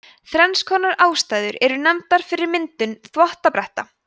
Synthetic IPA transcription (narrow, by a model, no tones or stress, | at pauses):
θɾɛnskʰɔːnaɾaːwst̪aːjðʏɾɛɾʏnɛmt̪aɾ̥fɪɾɪɾmɪnt̪ʏnθvɔht̪apɾɛht̪a